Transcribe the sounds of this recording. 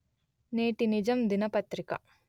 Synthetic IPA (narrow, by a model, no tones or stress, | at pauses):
neːʈinid͡ʒɐmd̪inɐpɐt̪ɾikɐ̰